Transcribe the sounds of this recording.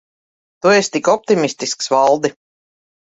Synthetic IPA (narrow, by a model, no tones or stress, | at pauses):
t̪uest̪ikɔp̚t̪imist̪isksvalˠd̪i